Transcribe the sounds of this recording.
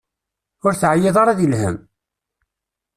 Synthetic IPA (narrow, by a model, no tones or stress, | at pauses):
ʊɾθʕajːeðˤɑɾˤɑðilhə̰m